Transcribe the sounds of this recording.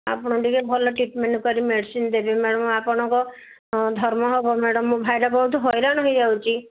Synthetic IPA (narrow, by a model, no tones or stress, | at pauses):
a̰pɔɽ̃ɔ̃ɖikebʱɔlɔʈɾiʈmeɳʈɔkɔɾimeɽisind̪ebimeɽɔmapɔɽ̃ɔ̃ŋkɔ | d̪ʱɔɾmɔɦɔbɔmeɽɔmːũbʱajɾɔbɔɦut̪ʰɦɔjɾanɔɦid͡ʒawt͡ʃʰi